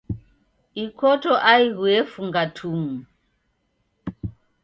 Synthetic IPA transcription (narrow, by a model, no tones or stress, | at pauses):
ikɔtɔʔaiɣwɛfuŋɡatʰuŋu